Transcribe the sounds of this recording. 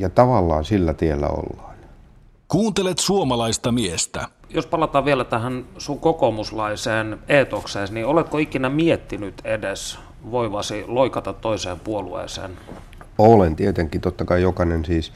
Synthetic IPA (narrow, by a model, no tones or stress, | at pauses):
jɑt̪ɑʋɑlːɑːnsilːæt̪ielːæ̰o̰lːɑ̥ːn | kuːnt̪elet̪suomɑlɑist̪ɑmiest̪æ | jospɑlɑt̪ɑːʋielæt̪æhænsuŋkokomuslɑiseːneːt̪okseːsniolet̪koikinæmiet̪ːinyt̪edes | ʋoiʋɑsiloikɑt̪ɑt̪ːoiseːmpuoluḛːsḛːn | olent̪iet̪eŋkːˑit̪ot̪ːɑkɑijokɑnensiːs